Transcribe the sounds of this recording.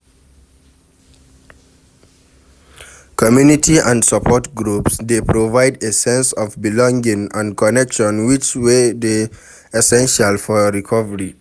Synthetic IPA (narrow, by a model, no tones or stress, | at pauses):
kʰɔmjunitʰiãndsapʰɔtɡɹupsdepʰɹovaɪdesɛ̃nsɔvbilɔ̃ŋɡĩŋãnkʰɔnɛkʃɔ̃nwit͡ʃwede | ɛsɛ̃nʃalfɔɹikʰɔvəɹi